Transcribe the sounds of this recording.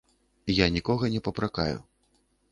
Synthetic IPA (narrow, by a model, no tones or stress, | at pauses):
janʲikɔɣɐnʲɛpɐpɾakajṵ